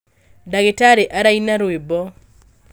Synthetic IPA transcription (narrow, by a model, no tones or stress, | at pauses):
daɡɪtaɾeʔaɾainaɾwebɔ